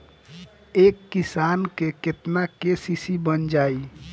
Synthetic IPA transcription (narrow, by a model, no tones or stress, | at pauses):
ekːisankeket̪nakesisibənd͡ʒai